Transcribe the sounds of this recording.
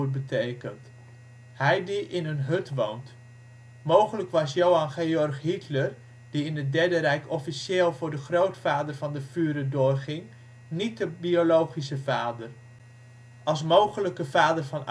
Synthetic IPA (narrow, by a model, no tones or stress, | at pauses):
bətʰejkənt | hɛjdiʔɪnənɦøtʋownt | mowχələkʋɑsjowɑnχeːɔrχɦitlər | d̥iɪndədɛɹdəɾɛjkɔfiseːlˠvʊːɹdəχrowtfaːdərvɑndəfyːɾədʊːrχɪŋ | nit̚dəbiolowχisəvaːdər | ɑlˠs̬mowχələkəvaːdərvɑn